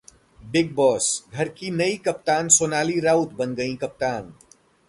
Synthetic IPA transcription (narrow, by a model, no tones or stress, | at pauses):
bɪɡ̚bɔːsɡʱɐɾkinɐikɐp̚t̪aːnsoːnaːliɾaːʊt̪bɐnɡɐĩkɐp̚t̪aːn